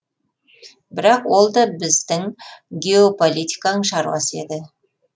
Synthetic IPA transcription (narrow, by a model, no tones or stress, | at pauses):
bɪɾɑqwo̞lˠd̪ɑbɪzd̪ɪŋɡʲe̞opo̞lʲit̪ʲikɑnəɴʃɑɾwɑ̰se̞d̪ɪ